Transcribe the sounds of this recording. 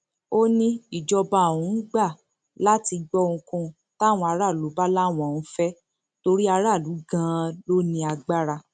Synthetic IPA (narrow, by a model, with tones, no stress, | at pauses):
o˦nĩ˦i˨d͡ʒɔ˧ba˧˨ũ˨˦ɡ͡ba˦˨ | la˦ti˧ɡ͡bɔ˦ŋ̩̃˧kũ˧ | ta˦˨w̃ɔ̃˧a˧˦ɾa˦˨lu˨˦ba˦la˦˨w̃ɔ̃˨ũ˨˦fɛ˦ | to˧ɾi˦a˧ɾa˦˨lu˨˦ɡã˦˧lo˦nĩ˧a˧ɡ͡ba˦ɾa˧